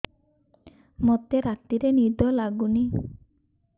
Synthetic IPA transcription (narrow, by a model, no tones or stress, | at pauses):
mot̪eɾat̪iɾenid̪ɔlaɡuni